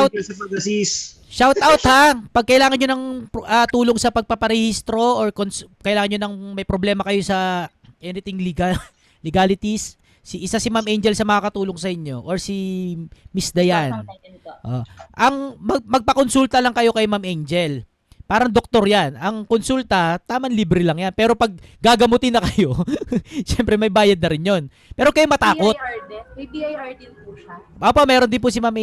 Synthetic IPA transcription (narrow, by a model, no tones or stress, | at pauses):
wɐpɐɡɐsis | ʃawt̪awt̪hapɐɡ̚kɐʔɪlaːŋɐnɲonɐŋʔɐt̪uːloŋsɐpɐɡ̚papɐɾɛhist̪ɾo̞ʔoɹkonskɐʔɪlaːŋɐnɲonɐŋmɐjpɾoblɛːmɐkɐjo̞sɐ | ʔɛnɪt̪ɪŋl | lɪɡalɪt̪isː | iʔɪsasɪmamʔejnd͡ʒɛlsɐmɐŋakɐt̪uːloŋsɐʔɪɲːo̞ʔoɹsi | misd̪ɐjan | ʔo̰ʔɐŋmɐmɐɡ̚pɐkonsult̪ɐlɐŋkɐjo̞kɐjmamʔejnd͡ʒɛl | paːɾɐŋd̪ok̚t̪o̞ɾjanʔɐŋkonsult̪ɐt̪aːmɐnliːbɾɪlɐŋjanpɛːɾo̞pɐɡ̚ɡaɡɐmut̪ɪnːɐkɐjo̞ | ʃɛmpɾɛmɐjbaːjɐd̪̚nɐɾɪnjo̞n | pɛːɾo̞kɐjomɐt̪aːko̞t̪biajaɹd̪ɪnpuaʔopomɛːɾond̪ɪnpʊsɪmamʔ